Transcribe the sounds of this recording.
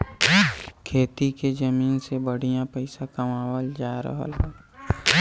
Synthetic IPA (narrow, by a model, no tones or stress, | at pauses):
kʰeːt̪iked͡ʒəmiːnsebəɽ̤ijãpəɪsãkɐmaːwəld͡ʒaːɾə̰ɦə̰lɦoː